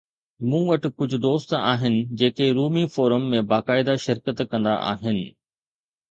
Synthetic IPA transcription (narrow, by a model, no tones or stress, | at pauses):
mũːʋɐʈɪ̆kʊd͡ʑʱʊ̆d̪oːst̪aːɦɪnɪ̆d͡ʑeːkeɾuːmifoːɾəmːẽbaːkaːɪd̪aʃɪɾkət̪kɐ̃nd̪a̰ʔa̰ːɦɪnɪ̆